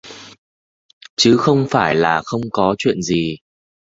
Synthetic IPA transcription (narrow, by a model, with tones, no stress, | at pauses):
t͡ɕɨ˨˦xə˧wŋ͡mfaː˧˩jlaː˨˩xə˧wŋ͡mkɔ˨˦t͡ɕwḭ˧˨ənzi˨˩